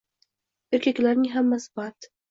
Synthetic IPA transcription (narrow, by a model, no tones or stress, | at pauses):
eɾkʲakʲlaɾnɪŋɦamːasɪbat̪